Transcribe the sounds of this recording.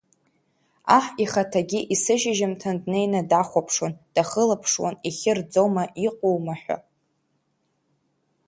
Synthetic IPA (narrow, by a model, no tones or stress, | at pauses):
aħiχatʰaɡʲiʔisɨʒɪʒɪmtʰandnejnadaχʷapʰʂond̥aχəlapʰʂwa̰niχʲɪrd͡zo̞maʔiqʼowmaħᶣʷa̰